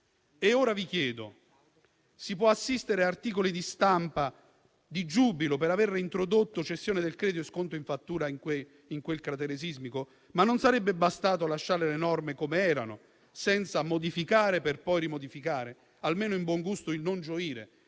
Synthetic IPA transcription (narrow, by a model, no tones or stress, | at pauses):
eoːɾavikjɛːd̪o̰ | sip̬wɔasːist̪eɾeaart̪iːkolid̪ist̪ampa | d̪id͡ʒuːbilopeɾaverint̪ɾod̪ot̪ːot͡ʃestːjoːned̪elkɾɛːd̪oeskont̪oiɱfat̪ːuːɾaiŋkwe | iŋkwelkɾat̪eɾezizmiko | manːonsaɾebːebast̪aːt̪̬oalaʃːaːɾelenɔrmekomeɛːɾa̰no̰ | sɛnt̪samod̪ifikaːɾeperpɔjɾimod̪ifikaːɾe | almeːnoimbwɔŋɡust̪oilnond͡ʒoiːɾḛ